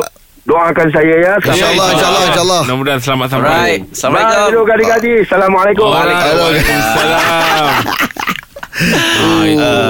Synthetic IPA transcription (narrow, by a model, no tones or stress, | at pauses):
doaŋakans̬ajajasaalːʃlːʃalːɔnamudans̬əlamat̪̚samasbailoɡadikadisalamalekʊelosalam